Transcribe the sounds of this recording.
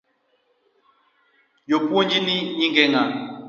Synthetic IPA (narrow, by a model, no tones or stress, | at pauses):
jopuoɲd͡ʒiniɲiŋɡɛŋa